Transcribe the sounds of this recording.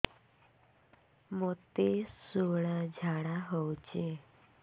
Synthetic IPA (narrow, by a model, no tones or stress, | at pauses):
mɔt̪esoɭ̃ãd͡ʑʱaɽaɦəwt͡ɕe